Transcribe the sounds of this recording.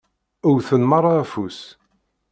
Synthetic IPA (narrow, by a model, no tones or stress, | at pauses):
ʊɾθənməɾˤafus